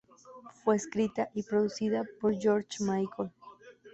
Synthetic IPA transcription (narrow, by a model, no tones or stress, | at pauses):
fwe̞ːskɾit̪aʔipɾo̞ðusiðapoɾd͡ʒoɾt͡ʃmajkʰol